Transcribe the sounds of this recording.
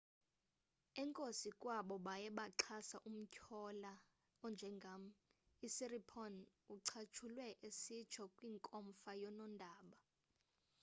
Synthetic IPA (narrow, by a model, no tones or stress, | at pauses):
ɛŋkʼosikʼwaɓɔɓajɛɓaǁʰasaʔum̩cʰɔla | ɔnd͡ʒʱɛŋɡʱam̩ | isiripʰɔn | uǀʰat͡ʃʰulwɛʔesi̥t͡ʃʰɔkʼwiŋkʼɔmfajɔnɔndʱaːɓa